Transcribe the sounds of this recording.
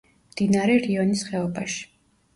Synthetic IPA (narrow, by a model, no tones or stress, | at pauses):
md̪̥inaɾɛɾiɔnisχɛɔbaʃi̥